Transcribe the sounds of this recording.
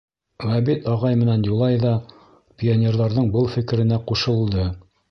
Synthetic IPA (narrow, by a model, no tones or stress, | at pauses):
wæbit̪ɑʁɑjmɘ̆nænjulˠɑjðɑ | pʲionʲerðɑɾðɤɴbɤlˠfɘ̆kɘ̆ɾɘ̆næquʃɤ̆lˠd̪ɤ